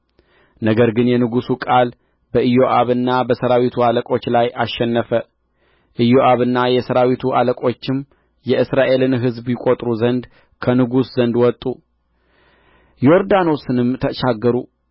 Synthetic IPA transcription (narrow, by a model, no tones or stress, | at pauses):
nəɡəɾɡɨnjɛnɨɡusukʼal | bəʔɨjoʔaβɨnːabəsəɾawit̪ʰualəkʼo̞t͡ʃːlajʔaʃːɛnːəfə | ʔɨjoʔaβɨnːajɛsəɾawit̪ʰuʔaləkʼo̞t͡ʃːɪm | jɛɨsɾaʔe̞lɨnɦɨzbjɪkʼo̞t̪ʼɾuzənd̪ | kʰənɨɡuszənd̪wɔt̪ʼu | joɾd̪ano̞sɨnɨmt̪ʰəʃaɡːəɾu